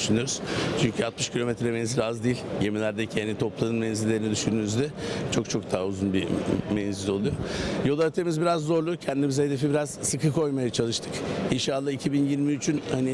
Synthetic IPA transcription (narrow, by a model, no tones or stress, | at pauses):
yʃynyjoɾuz̥t͡ʃʰyɲcʰyat̪mɯʃcʰilʲo̞met̪ɾɛmɛnzilʲazd̪ijilʲje̞milʲæɾd̪ecʰihanit̪ʰoplˠanɯnmɛnzilʲeɾinid̪yʃynynyzd̪ɛt͡ʃʰo̞kt͡ʃʰo̞kd̪ʰaːauzunbimɛnzilʲo̞lˠujojo̞lˠat̪ʰemizbiɾazːo̞ɾlˠucʰɛnd̪imizɛhe̞d̪e̞fibiɾaz̥sɯkɯkʰo̞jmajat͡ʃʰalˠɯʃt̪ʰɯ̥kinʃaːlˠːaicʰibinjiɾmiyt͡ʃʰynhani